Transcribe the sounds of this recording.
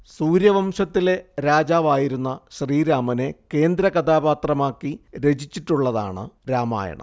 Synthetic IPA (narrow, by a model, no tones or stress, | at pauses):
suːɾjɐʋɐmʂɐt̪ːile̞ɾaːd͡ʑaːʋaːjiɾunːɐɕriːɾaːmɐne̞ke̞ːnd̪ɾɐkɐd̪aːbaːt̪rɐmaːkːiɾe̞d͡ʑit͡ɕːiʈːuɭːɐða̰ːɳɨ̰ɾaːma̰ːjɐ̰ɳɐ̰